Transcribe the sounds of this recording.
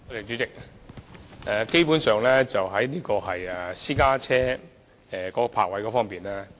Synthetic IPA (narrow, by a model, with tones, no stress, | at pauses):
ɔ˧˥t̪e˨˩t͡ʃyː˨˥t͡sɪ˨k̚ | ɛ˨˧ke˥jpu˨˥nsœː˨˧ŋlɛː˥t͡sɐ˨wɦɐ˨˥jniː˥kɔː˧ɦɐ˨jɛ˨˩siː˥kaː˥t͡sʰɛː˥ | ɛː˨˩kɔː˨˥kɔ˧pʰa̰ː˧k̚wɐ˨˥jkɔː˨˧˥fɔː˥ŋpiː˨nlaː˥